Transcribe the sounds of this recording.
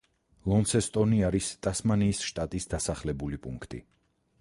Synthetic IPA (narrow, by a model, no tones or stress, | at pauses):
lˠɔnsɛst̪ʼɔniaɾist̪ʼasmaniːsʃt̪ʼat̪ʼisd̪asaχlɛbulipʼṵŋkʰt̪ʼḭ